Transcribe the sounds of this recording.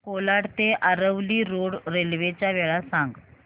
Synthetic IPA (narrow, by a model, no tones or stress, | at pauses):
kolaɽt̪eʔaɾəʋliːɾoɽɾelʋet͡ɕjaʋeɭasãŋɡ